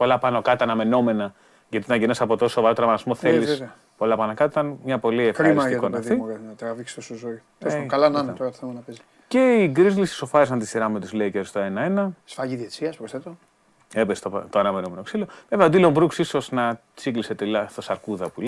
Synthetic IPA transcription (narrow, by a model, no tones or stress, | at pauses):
po̞lɐpɐnokɐt̪ɐnɐme̞no̞me̞nɐ | ʝɐt̪it̪ɐnɐʝenɐsɐpot̪osovɐɾot̪eɾɐmɐt̪smoθelise | polɐpɐnɐkɐt̪t̪it̪ɐnmɲɐpo̞liefkɾimiɐsikonɐfðiɐɐt̪ɾɐviksosozoi | osskɐlɐnɐnet̪oɾɐt̪oθemɐnɐpez | ce̞iɡɾizlisi̥so̞fɐɾis̬ɐnt̪isiɾɐmet̪uzleiceoɾist̪oe̞nɐe̞nɐsfɐʝiðet͡siɐspɾost̪et̪o | epest̪o̰t̪oɐnɐme̞nome̞noksiloveveɐod̪ilombɾuksiso̞znɐ | t͡sikliset̪elɐst̪osɐɾkuðɐpul